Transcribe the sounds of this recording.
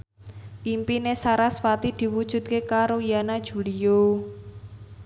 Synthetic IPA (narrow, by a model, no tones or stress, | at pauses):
ʔimpinesaɾasfat̪id̪̥i̤wud̥ʒ̥ṳt̪̚kekaɾojanad̥ʒ̥ṳlijo